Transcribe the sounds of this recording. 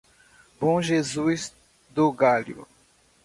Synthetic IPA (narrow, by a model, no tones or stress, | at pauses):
bõʒezujz | d̪ʊɡalʊ̰